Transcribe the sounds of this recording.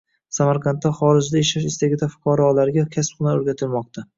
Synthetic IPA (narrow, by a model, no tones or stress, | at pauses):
samaɾqʰɑnt̪ːaχɒɾɪd͡ʒd̪aeʃaʃɪst̪aɡʲɪt̪ʰafʊ̥qʰɒɾɒlaɾɡʲakʲʰasp̚qʊnaoɾɡʲat̪ʰɪlmɒq̚t̪ʰa